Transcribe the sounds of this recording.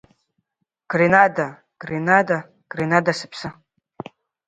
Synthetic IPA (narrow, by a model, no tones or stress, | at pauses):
ɡ̥rinada | ɡ̥rinada | ɡ̥renadasɨ̥pʰsɨ